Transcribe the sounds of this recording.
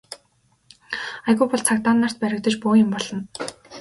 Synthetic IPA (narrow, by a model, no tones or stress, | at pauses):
ajɣupɔɮt͡sʰakt̪aːnːar̥t̪̚pæɾʲɪ̆k̚t̪ə̆t͡ɕpʊːjɪ̆mpɔɮɞ̆n